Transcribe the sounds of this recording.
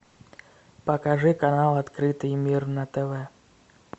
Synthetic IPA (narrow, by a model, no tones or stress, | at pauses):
pɐkaʐɨkanalˠat̪kɾɨt̪ɨjmʲirnɐt̪ɛvɛ